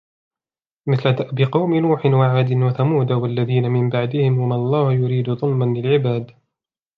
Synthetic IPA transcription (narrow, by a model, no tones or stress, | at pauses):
mɪθlat̪aʔbɪqɑwmɪnuːħɪnwaʕaːd̪ɪnwaθamuːd̪awalːaðiːnamɪmbaʕd̪ɪhɪmwamaɑlˤːɑːhjʊɾiːd̪ʊðˤʊlmanlɪlʕɪbaːd̪